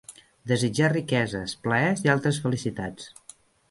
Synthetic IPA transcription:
d̪əzid͡ʒarikɛzəspləɛzialˠt̪ɾəsfəlisit̪at͡s

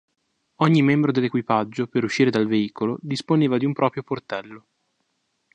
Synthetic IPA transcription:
ɔɲːimɛmbɾod̪elːekwipad͡ʒːopeɾuʃːiːɾed̪alveiːkolod̪isponeːvad̪iumpɾɔːpɾjoport̪ɛlːo

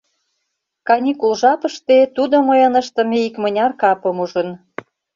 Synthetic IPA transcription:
kɑnʲikulʒɑpəʃt̪et̪ud̪oməjɤnə̆ʃt̪ə̆meikmə̆nʲɑrkɑpəmuʒə̆n

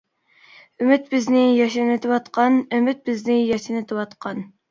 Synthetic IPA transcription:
ymɪt̪bɪznɪjɑʃɪnɪt̪ʰɪwɑt̪qʰɑnymɪt̪̚bɪznɪjɑʃinɪt̪ʰɨwɑt̪qʰɑn

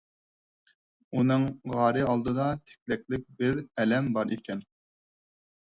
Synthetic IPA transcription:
unɨŋʁɑːɾɨɑlˠd̪ɨd̪ɑt̪ʰɛ̥kʲlɛkʲlɪk̚ʲbɪɾɛlɛmbɑɾʔikʲʰɛn

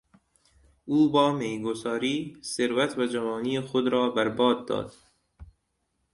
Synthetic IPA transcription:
uːbɒːmeːɡosɒːɾiːseɾvæt̪ʰvæd͡ʒævɒːniːexod̪ɾɒːbæɾbɒːd̪̚ːɒ̰ːd̪̥

